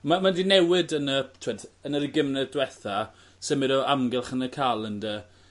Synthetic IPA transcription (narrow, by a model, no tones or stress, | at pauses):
mamadinɛwɪdənətʰɪwɛdənəɾiɡɪmnɛdwɛθa | sɛmɪɾɔʔamɡɛlˠχənəkʰaːlˠəndə